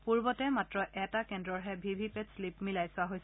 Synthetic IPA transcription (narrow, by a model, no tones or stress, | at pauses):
puɹbɔtɛmatɹɔʔɛtakɛndɹɔɹɦɛbʱibʱipɛtslipmilajsʊaɦojsɛ